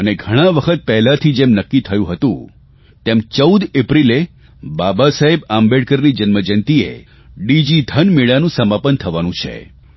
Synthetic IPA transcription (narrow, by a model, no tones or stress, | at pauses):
əneɡʱəɽ̃aʋəkʰət̪̚pɛɦlat̪ʰid͡ʒemnəkːit̪ʰəjũɦət̪ṵ̃ | t̪emt͡ʃəud̪epɾile | babasaɦebambeɽkəɾnid͡ʒənməd͡ʒənt̪iḛ | ɖid͡ʒid̪ʱənmeɭanũsəmapənt̪ʰəʋanũt͡ʃʰḛ